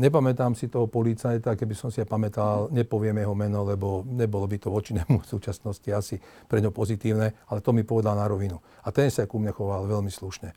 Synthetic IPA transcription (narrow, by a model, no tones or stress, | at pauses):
ɲɛpamɛt̪aːmsit̪ɔɦɔpɔlit͡sajt̪akɛbisɔmsiapamɛt̪alɲɛpɔʋɪɛmjɛɦɔmɛnɔlɛbɔɲɛbɔlɔbit̪ɔʋɔt͡ʃiɲɛmusuːt͡ʃasnɔsciasi | pɾɛɲɦɔpɔzit̪iːʊnɛalɛt̪ɔmipɔʋɛd̪alnaɾɔʋinu | at̪ɛnsakumɲɛxɔʋalʋɛlmisluʃɲɛ